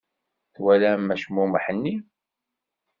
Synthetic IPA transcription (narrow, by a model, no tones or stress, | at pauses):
θwælæmːæʃmuməħənːi